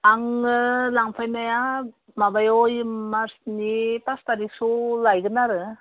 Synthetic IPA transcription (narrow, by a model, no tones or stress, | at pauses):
aŋɯlaŋpʰajnaja | mabajojmasnipastaɾiksulajɡɯnaɾɯ